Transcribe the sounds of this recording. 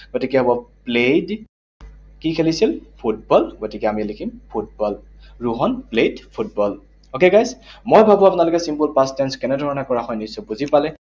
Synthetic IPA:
ɡ̥otikɛɔbɔplejd | kikʰelisilpʰut̚bɔlɡotikɛamilikʰimpʰut̚bɔl | ɹuɦɔnpledpʰut̚bɔl | okeɡajsmojbʱabuapʊnalʊkɛsimpulpastɛnskɛnɛdʱɔɹɔnɛkɔɹaxɔjnisɔbuzipalɛ

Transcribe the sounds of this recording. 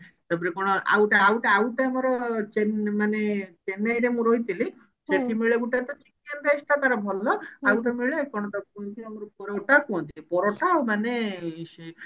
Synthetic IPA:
t̪ap̬ɔɾekɔɽ̃ɔa̰wʈaawʈaawʈaamɔɾɔt͡ʃenmanet͡ʃenajɾemũɾoɦit̪ʰili | seʈʰimiɭeɡuʈat̪ɔt͡ʃikanɾajsʈak̪aɾɔbʱɔlɔawʈamiɭekɔɽ̃ɔt̪ɔkɔ̃nt̪ʰiamɔɾɔpɔɾɔʈakɔɔ̃nt̪iipɔɾɔʈawmanese

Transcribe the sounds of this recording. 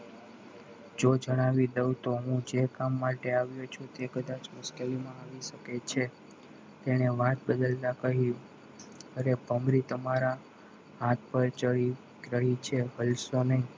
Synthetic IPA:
d͡ʒod͡ʒəɽ̃aʋid̪əut̪oɦũd͡ʒekamːaʈeaʋjot͡ʃʰut̪ekəd̪at͡ʃmʊʃkelimãaʋiʃəket͡ʃʰe | t̪eñeʋat̪̚bəd̪əlt̪akəɦju | əɾebəmɾit̪əmaɾa | ɦãt̪̚ʰpəɾt͡ʃəi | ɾəɦit͡ʃʰeɦəlsonəɦi

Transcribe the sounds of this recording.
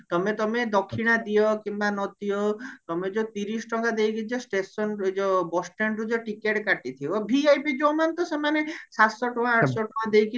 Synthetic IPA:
t̪ɔmet̪ɔmed̪ɔkʰːiɽ̃ad̪ijɔkimbanɔt̪iɔt̪ɔmed͡ʒot̪iɾisʈɔŋɡad̪ejkʰit͡ʃʰɔsʈesɔnd͡ʒɔbɔsʈenɾud͡ʒɔʈikeʈkaʈit̪ʰibɔbʱiajpid͡ʒomant̪ɔsemanesat̪sɔʈɔãaʈsɔʈɔkad̪ejkʰi

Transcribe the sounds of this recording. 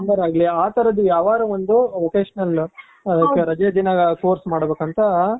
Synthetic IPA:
ɐmbɐɾaːɡɐliaːt̪ʰɐɾɐd̪ːujaːʋaːɾuond̪uʋokeːʂɐnɐl | ɐd̪ɐːkːɐɾɐd͡ʒeːd̪inɐkoːɾsmaːɽbeːkɐnt̪ɐ

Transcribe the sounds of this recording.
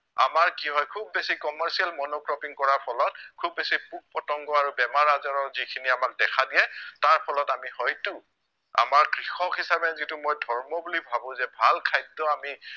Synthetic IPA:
a̰maɹkiɦɔjkʰubːesikɔmɛɹsialmɔnokɹɔpiŋkɔɹapʰɔlɔt̚kʰubːesipuk̚pɔtɔŋɡɔaɹubɛmaɹazɔɹɔɹzikʰiniamak̚dɛkʰadijɛtaɹpʰɔlɔtamihɔjtu | a̰maɹkɹixɔkɦisabɛzitumojdʱɔɹmɔbulibʱabʊ̃zɛbʱalkʰajdɔami

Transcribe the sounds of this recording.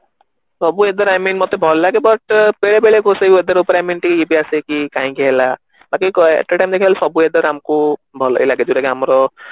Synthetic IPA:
sʌbued̪ʌɾajminmɔt̪ebʱɔllaɡebʌʈbelebeɭekoseued̪ɔɾupɾajminʈikipiasekikaĩɡela | bakikḛʈaʈajmd̪ekʰilsʌbued̪ɔɾamkobʱɔlḛjlaɡed͡zuɾakiɦamɾo

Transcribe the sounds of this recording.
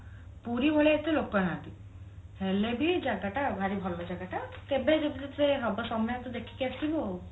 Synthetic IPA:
puɾibʱɔɭeet̪elokɔnat̪i | helebid͡ʒaɡaʈabʱaɾibʱɔɾbad͡ʒaɡaʈakebed͡ʒebit̪it̪eɦɔbasɔmɔjɔt̪ɔd̪ekʰi̥kiast̪ʰibo

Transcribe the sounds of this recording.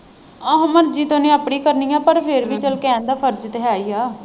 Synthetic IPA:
ãːɦəməɾd͡ʒiːt̪onẽːaːpɳiːkəɾniːaːpəɾpʰeɾʋiːt͡ʃəlkeɛ̃nd̪aːpʰəɾd͡ʒt̪eːaːiːaː

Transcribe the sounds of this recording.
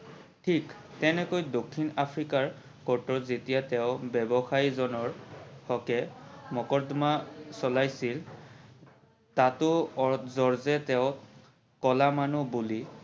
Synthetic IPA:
tʰiktɛnɛkojdokʰːinapʰɹikaɹ | kɔɹtɔzetijatɛʊbɛbɔxaizɔnɔɹhɔkɛmɔkɔdmasɔlajsil | tatʊɔzɔɹzɛtɛʊ | kɔlamanubuli

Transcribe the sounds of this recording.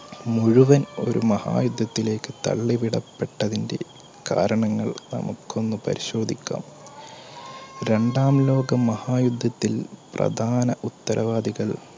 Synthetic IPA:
muɻuʋɐno̞̰ɾʔṵmɐha̰ːjud̪ʱːɐt̪ːile̞ːkːɨt̪ɐ̰ɭːiʋiɽɐ̰pːe̞ʈːɐðinde̞̰ | ka̰ːɾɐɳɐŋːɐɭnɐ̰mukːo̞nːɨpɐ̰ɾiɕo̞ːd̪ʱikʲːa̰ːm | ɾe̞ɳɖaːmlo̞ːɡɐmɐhaːjud̪ʱːɐt̪ːilprɐ̰d̪ʱaːnɐʔut̪ːɐɾʔɐʋaːd̪iɣɐɭ

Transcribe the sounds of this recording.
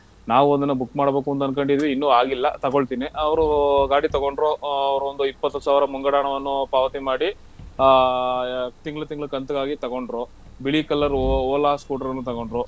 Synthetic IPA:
naːʋuond̪ɐnːɐbukːmaːɽbe̞ːkuɐnt̪ɐnd̪kɐɳɖid̪ʋiinːuaːɡilːɐt̪ɐɡoɭt̪iːniɐʋɐɾuɡaːɽit̪ɐɡoɳɖɾoːɐʋɐɾuond̪uipːɐt̪ːusaːʋɾɐmuŋɡɐɽaːɳɐʋɐnːupaːʋɐt̪imaːɽi | t̪iŋɡɭut̪iŋɡɭukɐnt̪uɡaːɡit̪ɐɡoɳɖɾo | biɭikɐlːɐɾoːlaːskuːʈɐɾɐnːut̪ɐɡoɳɖɾoː

